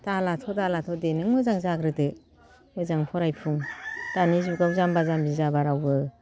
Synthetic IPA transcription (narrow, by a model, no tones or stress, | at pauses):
talatʰɔdalatʰɔdenɯŋmɯzaŋzaɡɾɯdɯ | mɯzaŋpʰɔɾajpʰuŋd̥anizuɡawzambazambizabaɾawbɯ